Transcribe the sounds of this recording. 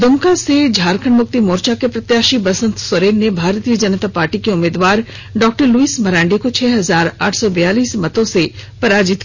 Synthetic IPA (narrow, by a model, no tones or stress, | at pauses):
d̪ʊmkased͡ʒʱaːɾkʰəɳmʊk̚t̪imoːɾt͡ʃakepɾɐt̪jaːʃibɐsə̃nt̪sɐɾeːnːebʱaːɾt̪ijəd͡ʒɐnət̪apaːɾʈikeʊmeːd̪ʋaːɾ | ɖɔːk̚ʈəɾluiːsmɐɾãːɳɖikot͡ʃʰɛːɦɐzaːɾa̰ːʈʰsɔbɐjaːliːsmɐt̪õsepɐɾaːd͡ʒɪt̪